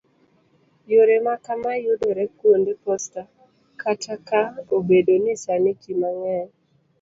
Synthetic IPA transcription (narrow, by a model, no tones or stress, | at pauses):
joɾemakamajodoɾɛkwondepɔsta | katʰakaobedonɪsanɪkimaŋɛn